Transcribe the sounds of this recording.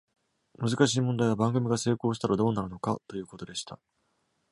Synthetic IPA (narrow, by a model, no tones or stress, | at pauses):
mɯ̟zɨkaɕiːmõnd̪aiβabãŋɡɯ̟mʲiɡase̞ːko̞ːɕ̬i̥t̪aɾad̪o̞ːnaɾɯ̟no̞ka̰t̪o̞jɯ̟ːko̞t̪o̞d̪e̞ɕi̥t̪a